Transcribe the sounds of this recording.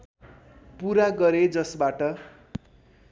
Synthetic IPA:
puɾaɡʌɾed͡zʌsbaʈʌ

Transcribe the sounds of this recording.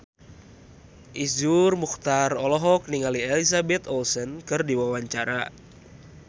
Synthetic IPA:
ʔizurmuxt̪arɔlɔɦɔk̚niŋaliɛlisabɛt̪ɔlsɔnkɨrdiwawaɲt͡ʃaɾa

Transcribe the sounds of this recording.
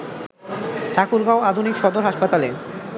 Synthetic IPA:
ʈʰakuɾɡaoad̪ʱunikʃɔd̪oɾɦaʃpat̪ale

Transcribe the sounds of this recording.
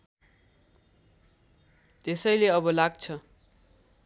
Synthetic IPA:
t̪esʌjleʌbʌlaɡt͡sʰʌ

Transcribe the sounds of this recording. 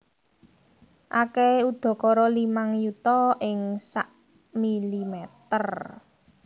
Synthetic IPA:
ʔakɛud̪̥ɔ̤kɔɾɔlimaŋjut̪ɔʔɪŋsaʔ | milimɛt̪ər

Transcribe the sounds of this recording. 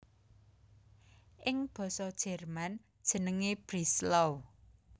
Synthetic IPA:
ʔɪŋb̥ɔ̤sɔd̥ʒ̥ɛ̤rman | d̥ʒ̥ə̤nəŋeb̥ɾislow

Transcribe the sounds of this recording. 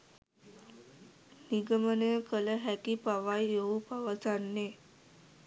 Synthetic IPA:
niɡəmənəjəkələɦækipaʋajoupaʋəsanːe

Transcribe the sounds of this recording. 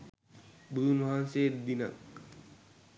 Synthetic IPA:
bunmaɦansed̪ina̰k̚

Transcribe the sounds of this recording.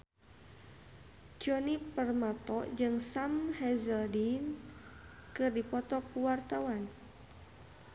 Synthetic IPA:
d͡ʒɔnipərmat̪ɔd͡ʒɨŋsamhɛzəldin | kɨrdipɔt̪ɔkuwart̪awan

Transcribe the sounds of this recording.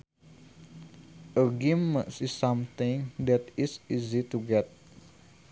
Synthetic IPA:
əɡimːə̃sisãmt̪ɪ̃ŋd̪ɛt̪isizit̪uɡɛt̪̚

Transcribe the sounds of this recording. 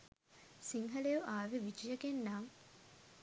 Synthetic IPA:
siŋɦɐlejuʔaːʋeʋid͡ʒijəɡenːaːŋ

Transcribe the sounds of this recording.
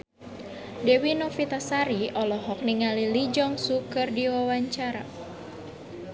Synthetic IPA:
dɛwinɔfit̪asaɾiʔɔlɔɦɔk̚niŋalilid͡ʒɔŋsukɨrdiwawaɲt͡ʃaɾa̰

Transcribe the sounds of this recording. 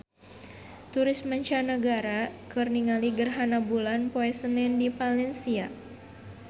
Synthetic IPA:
t̪uɾɪsməɲt͡ʃanəɡaɾakɨrniŋaliɡərɦanabulanpoɛsənɛndipalɛnsia

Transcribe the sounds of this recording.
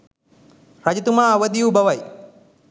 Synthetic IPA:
ɾɐd͡ʒɐt̪umaːʋəd̪ijubɐʋɐj

